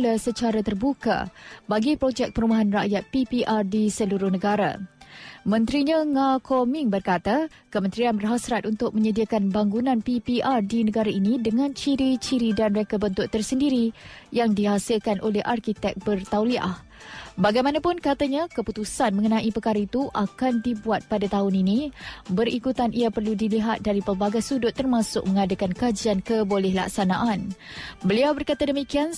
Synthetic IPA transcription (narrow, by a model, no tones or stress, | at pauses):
ləsət͡ʃaɾat̪ərbuka̰baɡipɾod͡ʒɛk̚pəɾumaɦanra̰ʔjat̪̚pipiʔardisəluɾʊhnəɡaɾa̰ | mə̃nt̪ɾiɲãŋakʰomiŋbərkat̪a | kəmənt̪ɾianbərɦasɾat̪̚ʔunt̪ʊk̚mə̃ɲədiakanbaŋɡunãnpipiʔardinəɡaɾaʔinĩdəŋãnt͡ʃiɾit͡ʃiɾidanrekəbənt̪ʊʔt̪ərsəndiɾijaŋdiɦasɪlkanʔolɛhʔarkit̪ɛk̚bərt̪awliʔa̰h | baɡajmanapʊnkat̪aɲãkəput̪usanmə̃ŋənãʔipəkaɾait̪uʔakandibuat̪̚padat̪aɦʊninĩbəɾikut̪anʔiapərludiliɦat̪̚daɾipəlbaɡajsudʊt̪ːərmãsʊ̰k̚mə̃ŋadakankad͡ʒiankəbolɛhla̰ksanaʔanbəliawbərkat̪adəmikian